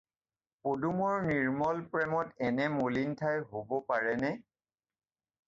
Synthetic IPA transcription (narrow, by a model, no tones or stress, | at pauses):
podumɔɹniɹmɔlpɹɛmɔtɛnɛmolintʰajɦobɔpaɹɛnɛ